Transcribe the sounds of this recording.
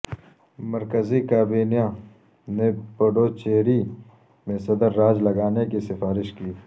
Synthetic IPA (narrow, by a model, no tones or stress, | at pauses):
mɐɾkəzikaːbiːnijã | nepɐɖoːt͡ʃeːɾi | mẽsɐd̪əɾːaːd͡ʒlɐɡaːnekisɪfaːɾɪʃkiː